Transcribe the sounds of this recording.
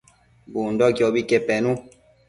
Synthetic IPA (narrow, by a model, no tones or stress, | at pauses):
bundɔɡjɔbikepɛnũ